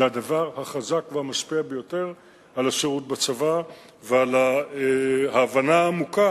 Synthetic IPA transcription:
zeadavaʁhaχazakvehamaʃpiabejo̞te̞ʁ | alaʃeʁut̚bat͡sava | veala | haːvanaːmuka

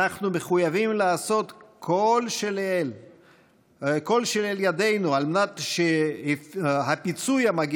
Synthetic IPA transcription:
aχnume̞χujavimlaːso̞t̪kʰolʃelel | ko̞lʃeleljad̪e̞jnualmenat̪ʃe | ɦapit͡sujamaɡi

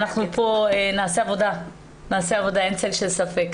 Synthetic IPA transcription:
naχnupʰo̞enaːseavo̞da | naːseavo̞daent͡selʃelsafek

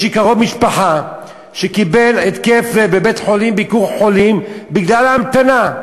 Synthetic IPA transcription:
ʃikaʁovmiʃpaħa | ʃekibe̞let̪keflebebe̞t̪ħo̞limbikuʁħo̞limbiɡlalamt̪ana

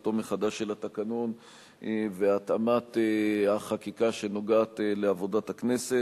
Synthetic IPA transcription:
to̞meχad̪aʃe̞lat̪akanon | veat̪amat̪eaχakikaʃe̞no̞ɡaːt̪le̞avo̞dathaknese̞

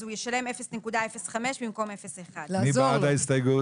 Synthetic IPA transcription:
ujeʃale̞mefesnekudaefesχameʃbimko̞mefeseχadnibaad̪ajstejɡu

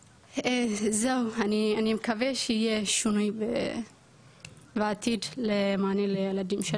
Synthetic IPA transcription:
ezewanianimekaveʃeijeʃunujbe | beat̪id̪lemaːnilejelad̪imʃe

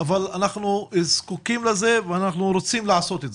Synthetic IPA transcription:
avalanaχnuzkukimleze̞veanaχnuɾot͡simlaʕaso̞t̪etz

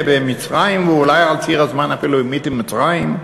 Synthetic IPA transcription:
bemit͡sʁajimveulajalt͡siʁazmanafiluimitimmit͡sʁajim

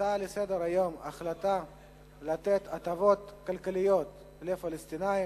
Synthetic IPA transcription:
alesed̪eɾajoma̰χlat̪a | lat̪et̪ʰat̪avot̪kalkalijot̪ | lefalest̪inai

